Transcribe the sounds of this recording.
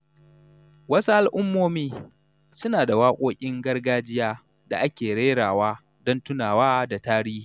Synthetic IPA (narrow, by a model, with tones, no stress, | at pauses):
wɐ˦su˦ʔa˦lʔʊ˦mːoː˦miː˦ | sʊ˦naː˨da˨waː˦kʷʼoː˦kʲʼɪ˦ŋɡɐ˦rɡaː˦d͡ʒɪ˦jaː˦ | da̰˨ʔa˦kʲeː˨ɽeː˦ɽaː˨waː˦ | dɔ˦ntʊ˦naː˨waː˦da˨taː˦ɽiː˦˨